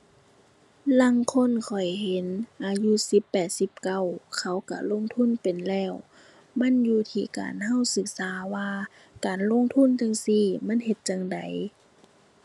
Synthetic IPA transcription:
la˧˥˨ŋkʰo˧˥˨nkʰɔ˨˩jhe˨˦nʔaː˨ju˧˥˨si˧˦pːɛː˨˩t̪̚si˧˦p̚ka˧˩˨wkʰa˧˩wka̰˧˩lo˧˥˨ŋt̪ʰu˧˥˨npe˨nlɛː˧˥˩w | ma˧˥˨njuː˧˩t̪ʰiː˧˩˨ka̰ː˨nha˧˥˨wsɯ˧˦k̚saː˨˦waː˧ | kaː˨nlo˧˥˨ŋt̪ʰu˧˥˨nt͡ɕa˧˨ŋsiː˧˩ma˧˥˨nɦe˧˦t̪̚t͡ɕa˧˨ŋda˨˦j

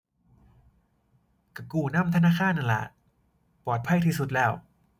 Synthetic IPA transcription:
ka˧˩kuː˧˩na˥˩˨mt̪ʰa˧naː˥˩kʰaː˥˨nʔa˧˨lɛ̰˨˧ʔ | pɔː˨˩t̪̚pʰa˧˥˩jt̪ʰiː˧˥˩su˧˦t̪̚lɛː˧˩w

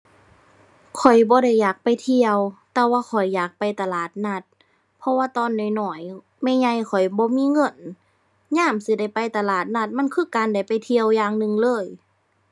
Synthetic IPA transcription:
kʰɔ˨˩jbɔː˧˦ɾa˧˩jːaː˨˩k̚pa˨jt̪ʰi˧əwt̪ɛː˧waː˧kʰɔ˨˩jːaː˨˩k̚pa˧˨jt̪a˧laː˨˩t̪̚na˧˥t̪̚ | pʰɔ˧waː˧t̪ɔː˧˨nːɔ˨˩jnɔː˨˩˦j | mɛ˧˥˨ɲa˧˨jkʰɔ˨˩jbɔː˧˦miː˧˥˨ŋɤ˧˥˩n | ɲaː˧˥˨msi˧˦da˧˩jpa˧jt̪a˧laː˨˩t̪̚na˧˩t̪̚ma˧˥˨nkʰɯː˧˨kaː˨nda˧˩jpa˨˩jt̪ʰi˧əwjaː˧˨ŋnɯ˧˨ŋlɤː˧˥˨j

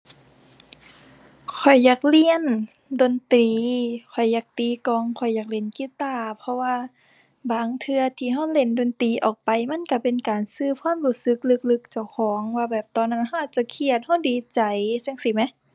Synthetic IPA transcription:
kʰɔ˨˩jːaː˧˩k̚li˧˨ə˨n | do˨nt̪ɾiː˨kʰɔ˨˩jːaː˧˩k̚t̪iː˨˦kɔː˧˨ŋkʰɔ˨˩jːaː˧˩k̚le˧˩nki˧˨t̪aː˧˩pʰɔ˧waː˧ | baː˨˦ŋt̪ʰɯ˧ɐt̪ʰiː˧˨ɦa˧˥˨wle˧˩ndoː˨nt̪iː˨˦ʔɔː˨˩k̚pa˨˩jma˧˥˨nka˧˩pe˨nkaː˨nsɯː˧kʰwaː˧˥˨mluː˧˩sɯ˧˦k̚lɯ˧˥k̚lɯ˧k̚t͡ɕa˧˩wkʰɔː˨˦ŋwaː˧bɛː˨˩p̚t̪ɔː˧˨nːa˧˥˨nɦa˧˩˨ʔaː˨˩t̚t͡ɕa˧˦kʰi˧ə˨t̪̚ha˧˥˩wdiː˨t͡ɕa˨˩jse˧˥˨ŋsiː˧˩ma˧˦˨

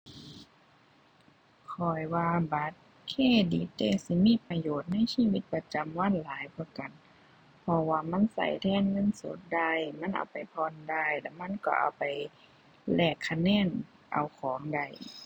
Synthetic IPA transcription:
kʰɔ˧˩jwaː˧ba˧˦t̪̚ | kʰeː˧˩˨di˨˦t̪̚ːeː˧˩si˧˦miː˧˥˨pa˧joː˨˩t̪̚na˧˥˨jsiː˧˥˨wi˧˦t̪̚pa˧t͡ɕa˨mwa˧˥˨nlaː˨˦jpʰɔ˧˩ka˨n | pʰɔ˧waː˧ma˧˥˨nsa̰˧˩jt̪ʰɛː˧˥˨nŋɤ˧˥˨nso̰˧˦t̪̚da˧˩jma˧˥˨nʔa̰˨˩wpa˨jpʰɔː˧˥˨nda˧˩˨jlɛ˧˩ma˧˥˨nkɔ̰˧˩ʔa̰˨˩wpa˨˩j | lɛː˧˩kʰːa˧nɛː˧˥˨n | ʔa̰˨˩wkʰɔː˨˦ŋda˧˩˨j

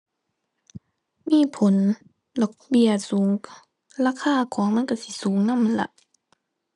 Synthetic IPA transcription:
miː˧˥˨pʰo˨˦n | lɔː˨˩k̚bi˧˩əsuː˨˦ŋ | laː˧˨kʰaː˧˥˨kʰɔː˩˦ŋma˧˥˨nka˧˩˨si˧˦suː˩˦ŋna˧˥˨mːa˧˥˨la̰˧˦ʔ

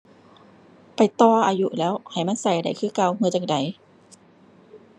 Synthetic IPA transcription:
pa˨jt̪ɔː˧˩ʔaː˧ju˧˥ʔlɛː˦˥wha˨˩jma˧˥˨nsa˧˩jda˨˩jkʰɯː˧˥˩ka˧˨whɯː˧t͡ɕa˧ŋ̚da˨˩j

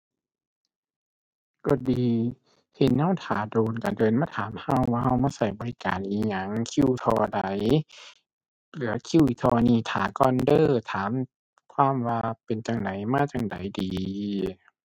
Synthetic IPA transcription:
ko˧˦diː˨˧ | he˨˦nːa˧˥˨wt̪ʰa̰ː˨˦doː˨˧nka˨˩dɤː˨˧nmaː˧˥˩t̪ʰaː˨˦mha˧˩˨wwaː˧ha˧˨wmaː˧˥˨sa˧˩˦jbɔː˨li˦˧ka̰ː˨nʔiː˨˧˩ɲa˧˩ŋkʰi˧˥˧wt̪ʰɔː˧da˨˦j | lɯ˨˦ɐ˧kʰi˧˥˨wʔi˧˩t̪ʰɔː˧niː˧˩˨t̪ʰaː˨˦kɔː˧˨ndɤː˧˨t̪ʰaː˨˦m | kʰwaː˧˥˨mwaː˧pe˨nt͡ɕa˨˧ŋda˨˦jmaː˧˥˨t͡ɕa˨˧˩ŋda̰˨˦jdiː˨

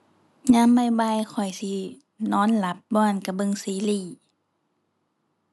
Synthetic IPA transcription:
ɲaː˧˥˨mːa˧˩jba˧˨jkʰɔ˨˩jsi˧˦ | nɔː˧˥˨nla˧˦p̚bɔː˧ʔa˧˨nka˧˩bɤ˧˨ŋsiː˧˦liː˧˩

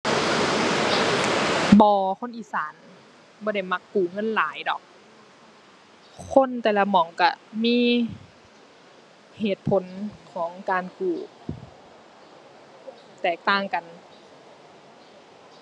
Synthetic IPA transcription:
bɔː˨˧˦kʰo˧˥˨nʔiː˨saː˨˦n | bɔː˧˦ɾa˧˩jma˧˥kːuː˨˩ŋɤ˧˥˨nlaː˨˦jdɔ̰ː˨˩˦k̚ | kʰo˧˥˨nt̪ɛː˨˩la˧mɔː˨˩˦ŋka˧˩miː˧˥˨ | heː˨˩t̪̚pʰo˨˦nkʰɔː˨˦ŋkaː˨nkuː˨˩ | t̪ɛː˨˩k̚t̪aː˧˥˩ŋka˨n

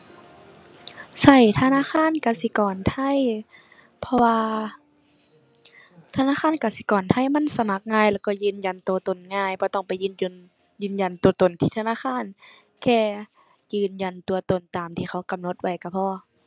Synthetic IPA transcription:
sa˧˩jt̪ʰa˧˨naː˧˥˨xʰaː˧˥˨nka˧˩si˧˦kɔː˨˩nt̪ʰa˧˥˨j | pʰɔ˧waː˧ | t̪ʰa˧naː˧˥˨xʰaː˧˥˨nka˧˩si˧˦kɔː˨˩nt̪ʰa˧˩˨jma˧˥˨nsa˧ma˧˩k̚ŋaː˧˨jlɛː˧˩kɔ˧˩jɯː˧˨nja˨nt̪o˨˦t̪o˨˩nŋaː˧˩˨jbʰɔ˧˦t̪ɔ˧˩ŋpa˨˩jɯː˧˨no˧n | jɯː˧˩nja˨˩nt̪u˨ɐt̪o˨˩nt̪ʰiː˧t̪ʰa˧aː˧˥˨xʰaː˧˥˨n | kɛː˧˩ | jɯː˧˨nja˨˩˨nt̪u˨ɐt̪o˨˩nt̪aː˨˩mt̪ʰiː˧˩xa˧˦wka˨mno˧˦t̪̚wa˧˩jka˧˩pʰɔː˧

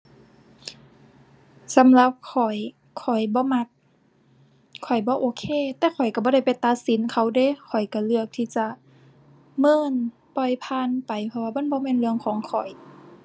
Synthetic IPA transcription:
sa˨˦mla˧p̚kʰɔ˨˩j | kʰːɔ˨˩jbɔː˧˦ma˧k̚ | kʰɔ˨˩jbɔː˧˦ʔoː˧˦kʰeː˧˨t̪ɛː˧˦kʰɔ˨˩jka˧˩bɔː˧˦ɾa˧˩jpa˨jt̪a˧t̪̚si˨˦nkʰa˧˩wde˧˨kʰɔ˨˩jka˧˩lɯ˧˩ək̚t̪ʰiː˧˨t͡ɕa˧˦ | mɤː˧˥˨n | pɔ˧˩jpʰaː˧˥˨npa˨jpʰɔ˧waː˧maː˧˥˨nbɔː˧˦mɛː˧˥˨nlɯ˧əŋkʰɔː˨˦ŋkʰɔ˨˩j

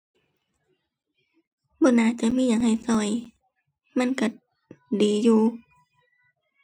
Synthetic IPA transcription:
bɔː˧˨naː˧˩t͡ɕa˧˨miː˧˥˨ɲaː˨ŋha˨˩jsɔː˧˩j | ma˧˥˨nka˧˩ | diː˨˦juː˧

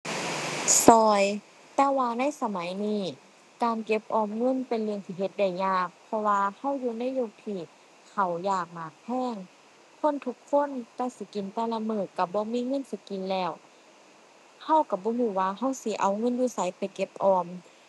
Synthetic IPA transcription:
sɔː˧j | t̪ɛː˧waː˧na˧˥˨jsa˧ma˨˦jniː˧˥˩ | kaː˨nke˧˦p̚ʔɔː˧mŋɤ˧˥˨npe˨nlɯ˧əŋt̪ʰiː˧˨ɦe˧˦t̪̚da˧˩jɲaː˧˩k̚pʰɔ˧waː˧ha˧˥˩wjuː˧˦na˧˥˨joː˧t̪ʰiː˧˩ | kʰa˧˩wjaː˨˩k̚maː˨˩k̚pʰɛː˧˥˨ŋ | kʰo˧˥˨nt̪ʰu˧˥kʰːo˧˥˨nt̪ɛː˧˩si˧˦ki˨nt̪ɛː˧˩la˧mɤː˧˩kːa˧˩bɔː˧˦miː˧˥˨ŋɤ˧˥˨nsi˧˦ki˨nlɛː˧˩w | ha˧˩˨wka˧˩bɔː˧˦miː˧˩waː˧ɦa˧˥˩wsi˧˦ʔa˨wŋɤ˧˥˨njuː˧˩˨sa˨˦jpa˨jke˧˦p̚ʔɔː˧m

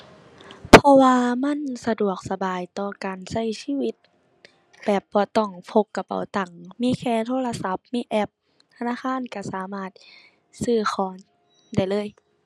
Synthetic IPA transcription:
pʰɔ˧waː˧ma˧˥˨nsa˧du˨˩ək̚sa˧baː˨˩jt̪ɔː˧kaː˨nsa˧˥˩jsiː˧˥˨wi˧˥t̪̚ | bɛː˨˩p̚bɔː˧˦t̪ɔ˧˩ŋpʰo˧˥pkːa˧pa̰˨˩˦wt̪a˨˩ŋmiː˧˥˨kʰɛː˧˨t̪ʰoː˧˥˨la˧sa˧˦p̚miː˧˥˨ʔɛ˧˩p̚ | t̪ʰa˧naː˧˥˨kʰaː˧˥˨nka˧˩saː˨˦maː˧˩t̪̚ | sɯː˧˩xʰɔː˨˦n | da˧˩˨jlɤː˧˥˨j

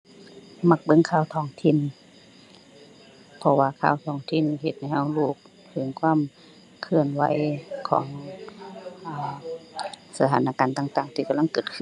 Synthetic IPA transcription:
ma˧k̚bɤ˧˨ŋkʰaː˧˩˨wt̪ʰɔː˧˩ŋt̪ʰi˧˥˨n | pʰɔ˧waː˧kʰa̰ː˧˩˨wt̪ʰɔː˧˩ŋt̪ʰi˧˨n˧ɦe˧t̪̚ha˧jha˧˩wluː˧˩k̚ | t̪ʰɯ˨˦ŋkʰwaː˧˥˨m | kʰɯ˧ənwa̰˨˧˦jkʰɔ̰ː˨˦ŋ | ʔaː˧˩ | sa˧t̪ʰaː˧˦nʔaː˧˨kaː˨nt̪aː˧ŋt̪aː˨˩ŋt̪ʰiː˧ka˧mla˥˨ŋkɤː˧˩t̪̚kʰɯ˧˨

